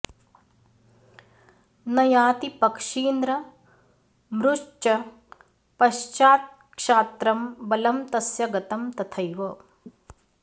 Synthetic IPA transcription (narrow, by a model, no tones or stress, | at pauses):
nɐjaːt̪ipɐkʂiːnd̪ɾɐ | mɾuʂt͡ʃɐ | pɐʃt͡ʃaːt̪̚ | kʂaːt̪ɾɐmbɐlɐmt̪ɐsjɐɡɐt̪ɐmt̪ɐt̪ʰɐjʋoː